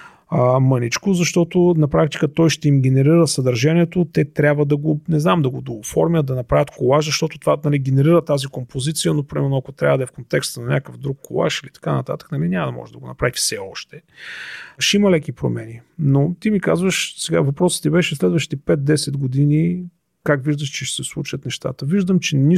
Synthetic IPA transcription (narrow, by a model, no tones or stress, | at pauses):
əmənit͡ʃkozɐʃt̪ɔt̪onɐpɾak̚t̪i̥kət̪ɔjʃt̪ɛimɡɛnɛɾiɾəsɐd̪əɾʒaniɛt̪ot̪ɛt̪ɾʲabvəd̪ɐɡonɛznamd̪ɐɡod̪oʊfɔɾmʲjət̪̚d̪ɐnɐpɾavʲət̪kolˠaʃzɐʃt̪ɔt̪ʊt̪ovanɐliɡɛnɛɾiɾət̪azikompozit̪sijənopoɾimɛɾnoɐkot̪ɾʲavəd̪ɐɛfkont̪ɛkst̪ənɐnʲakəvd̪ɾukːolˠa̰ʃilit̪ɐ̥kanɐt̪at̪ə̥knɐlinʲamɐd̪ɐmɔ̰ʒɛd̪ɐɡonɐpɾavifsɛɔʃt̪ɛ | ʃimɐlɛkipɾo̰mɛninot̪imika̰zvəʃsɛɡavɐpɾɔsə̥t̪ibɛʃɛslɛd̪vəʃt̪i̥t̪ɛpɛt̪̚d̪ɛsɛd̪ɡod̪ini | kakviʒd̪əʃt͡ʃɛʃsɛslˠut͡ʃət̪nɛʃt̪a̰t̪əviʒd̪əmt͡ʃɛni